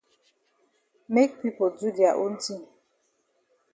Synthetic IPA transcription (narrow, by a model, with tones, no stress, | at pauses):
me˦k̚pi˦po˨d͡ʒu˦di˨a˨ʔo˦n̩˦ti˦n